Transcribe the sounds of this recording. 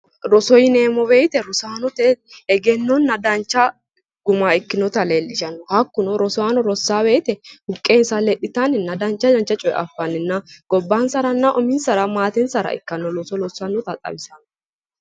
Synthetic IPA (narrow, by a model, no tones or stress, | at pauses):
ɾɔsɔjɪne̞ːmɔbejt̪ɛɾʊsaːnɔt̪ɛɛɡɛnːɔnːɐd̪ɐnt͡ʃːɐ | ɡʊmaːɪkːɪnɔt̪ɐleːlːɪʃɐnːɔhɐkːʊnɔɾɔsɔaːnɔɾɔsːaːbeːt̪ɛhʊkʼːeːnsɐlɛɗɪt̪anɪnːɐd̪ɐnt͡ʃːɐdɐnt͡ʃːɐt͡ʃʼɔjɛ̰ʔɐ̰fːanɪnːɐɡ̥ɔbːaːnsɐɾɐnːɐʔɔmɪnsɐɾɐmaːt̪ɛnsɐɾɐ̰ɪ̰kːɐnːɔlɔsɔlɔsːɐnːɔt̪ɐt̪ʼɐ̰bɪsɐnɔ